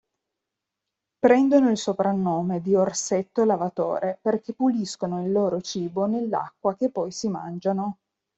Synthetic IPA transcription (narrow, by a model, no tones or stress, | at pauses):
pɾɛnd̪onoilsopɾanːoːmed̪iorset̪ːolavat̪o̰ːɾʔeperk̟epːuliskonoilːoːɾot͡ʃiːbonelːa̰kːwak̟epːɔjsima̰nd͡ʒano